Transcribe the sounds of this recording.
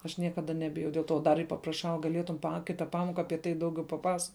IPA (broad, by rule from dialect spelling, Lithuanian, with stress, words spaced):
ɐʃ ˈnʲiɛkɐˌdɐ ˈnʲæːbʲɪjɛʊ dʲɛlˠ ˈtoː ˈdɐr ɪr pɐprɐˈʃɐʊ ɡɐˈlʲeːtʊm pɐ ˈkʲɪtɐ ˈpɑːmoːkɐ ˈɑːpʲiɛ tɐɪ ˈdɐʊˌɡʲɛʊ pɐˈpɐs